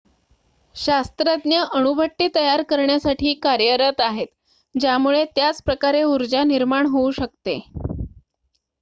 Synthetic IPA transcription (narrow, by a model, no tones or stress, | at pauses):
ɕast̪ɾəd̪njəʔəɳubʱəʈːiːt̪əjaɾkəɾɳjasaʈʰiːkaɾjəɾət̪aɦet̪ | d͡ʑjamuɭet̪jat͡spɾəkaɾeuɾd͡ʑaniɾmaɳɦouɕək̚t̪e